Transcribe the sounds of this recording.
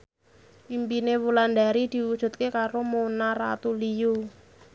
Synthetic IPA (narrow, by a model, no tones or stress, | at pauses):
ʔimpinewuland̪aɾid̪̥i̤wud̥ʒ̥ṳt̪̚kekaɾomonaɾa̰t̪uliju